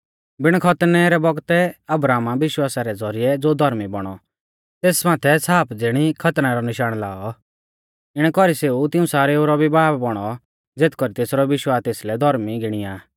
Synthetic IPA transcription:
bɪɽ̃kʰɐt̪nɛɾɛbɔɡt̪ɛɐbɾaːmabɪʃwaːsaɾɛd͡zɔɾijɛd͡zoːd̪ʱɔɾmibɔɽ̃ɔ | t̪eːsmaːt̪ʰɛsaːpd͡zɪɽ̃ikʰɐt̪naɾɔnɪʃaːɽ̃laːɔ | ɪɽ̃ɛkɔɾiseut̪ɪũsaːɾɛoːɾɔbʱibaːbbɔɽ̃ɔ | d͡zeːt̪kɔɾit̪eːsɾɔʋɪʃwaːst̪eːslɛd̪ʱɔɾmiɡɪɽ̃ijaː

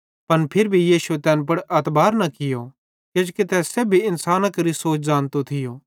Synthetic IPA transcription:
pɐnpʰɪɾbʱijiːsuet̪ɛːnp̬ɐɽɐt̪baːɾnɐkɪjo | ked͡ʒkɪt̪ɛseːbʱiɪnsaːnãkɐɾisoːt͡ʃʰzaːnt̪ot̪ʰɪjoː

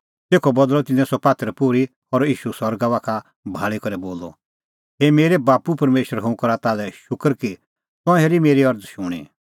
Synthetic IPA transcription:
t̪eːkʰɔbɐd̪lɔt̪ɪnɛ̃sɔpaːt̪əɾɛpʊɾi | ɔɾiːʃusɔɾɡaʋaːkʰa | bʱaːɭikɔɾɛboːlɔ̰ | ɦemeːɾɛbaːpupɐɾmeːʃəɾɦʊ̃kɔɾat̪aːlɛʃʊkəɾki | t̪ɔ̃ɦeɾimeːɾiɐɾd̪ʃʊɽ̃ḭ

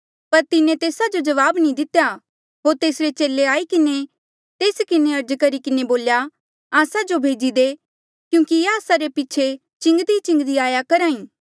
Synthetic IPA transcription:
pɐɾt̪ɪnẽt̪eːsad͡ʒod͡ʒɐʋaːbnĩd̪ɪt̪ja | ɦoːɾt̪eːsɾet͡ʃeːlːeaːikɪne | t̪eːskɪneɐɾd͡ʒkɐɾikɪneboːlja | aːsad͡ʒobʱeːd͡ʒid̪e | kjũːkiaːsaɾepit͡ʃʰe | t͡ʃɪ̃ŋɡd̪it͡ʃɪ̃ŋɡd̪iaːjakɐɾaːĩː

